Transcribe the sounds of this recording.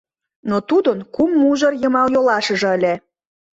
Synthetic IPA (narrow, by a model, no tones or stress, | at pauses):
not̪ud̪ənkumːuʒɤrjəmɑwjolɑʃə̆ʒɤ̆əlʲe